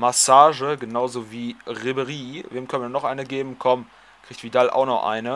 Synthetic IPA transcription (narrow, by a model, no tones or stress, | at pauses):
masaːʒəɡənaʊzoːviːʁɪbəʁiːveːmkʰœnvnɔχʔaɪnəɡeːbm̩kʰɔm | kʁ̥iːçtv̥idalʔa̰ʊxnɔχʔa̰ɪnə